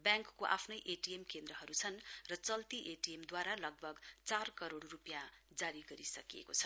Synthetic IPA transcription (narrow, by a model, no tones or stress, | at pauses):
bjãŋkːoʔa̰pʰnʌjʔeʈiemkend̪rʌɦʌɾut͡sʰʌnrʌt͡sʌlt̪iʔeʈijemd̪waɾalʌɡ̚bʱʌɡt͡sarkʌɾoɽrupjãd͡zaɾiɡʌɾisʌkijḛkot͡sʰʌ̥